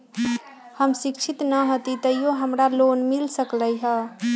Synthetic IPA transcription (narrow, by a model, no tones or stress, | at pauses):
həmsikt͡ʃʰit̪nəɦot̪it̪əijoɦəmɾalonmilsəkləjɦə